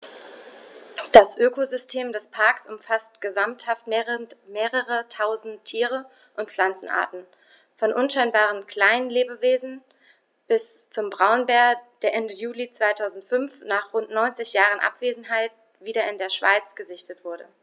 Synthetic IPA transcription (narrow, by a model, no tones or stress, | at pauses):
d̥asʔøːkozʏstʰeːmdɛspʰaɐksʊmfastɡ̥əzamthaftmeːʁəʁətʰaʊzn̩tʰːiːʁ̞ə | ʔʊntflant͡sn̩ʔa̰ːɐtn̩ | fɔnʔʊnʃaɪnbaːʁ̞ənkʰl̥aɪnənleːbəveːzn̩ | b̥ɪs | t͡sʊmbʁaʊnbɛɐd̥eːɐʔɛndəjuːlit͡sv̥aɪtʰaʊzn̩tfʏnfnaːχʁʊntnɔʏnt͡sɪçjaːʁənʔa̰pv̥eːzn̩ɦaɪt̚ | v̥iːɾɐɪndeːɐʃv̥a̰ɪt͡sɡ̥əzɪçtətv̥ʊɐɾə̰